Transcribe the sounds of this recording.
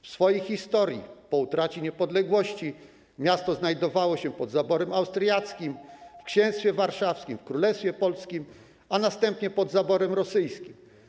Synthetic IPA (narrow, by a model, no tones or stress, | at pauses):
fsfɔjixʲist̪ɔɾʲjḭpɔut̪ɾat͡ɕiɲɛpɔd̪lɛɡwɔɕt͡ɕi | mʲjast̪ɔznajd̪ɔvawɔɕɛpɔd̪zabɔɾɛmawst̪ɾjat̪skʲimfkɕɛ̃w̃st̪fʲjɛvaɾʂafskʲimfkɾulɛst̪fʲjɛpɔlskʲim | anast̪ɛmpɲɛpɔd̪zabɔɾɛmɾɔsɘjskʲim